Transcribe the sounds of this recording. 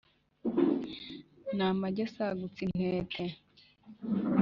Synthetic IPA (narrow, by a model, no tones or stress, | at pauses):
naːmaɟesaɡut͡sin̥eːtʰe